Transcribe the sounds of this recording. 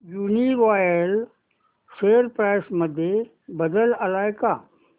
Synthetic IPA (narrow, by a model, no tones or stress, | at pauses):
juːniʋaːjəl | seːəɾpɾaːɪsməd̪ʱje | bəd̪əlɐlaːjkaː